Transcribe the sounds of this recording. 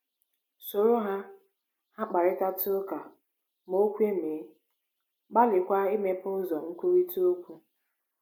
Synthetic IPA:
so˨ɾo˦ɦa˦ | ha˦k͡pa˨ɾɪ˦ta˦tʊ˦ka˨ | mo˦kʷe˦me˨˦ | ɡ͡ba˦lɪ˨kʷa˦ɪ˦me˦pʊ˦zɔ˨ŋ̩˦kʷu˦ɾi˦tu˦o˦kʷu˦

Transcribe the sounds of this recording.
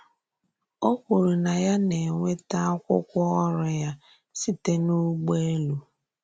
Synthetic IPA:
o˦kʷu˨ɾu˨na˨ja˦ne˨ŋʷe˦ta˦a˦kʷʊ̰˦kʷʊ˦ɔ˦ɾʊ˨ja˦ | si˦te˦nu˦ɡ͡be˦lu˨

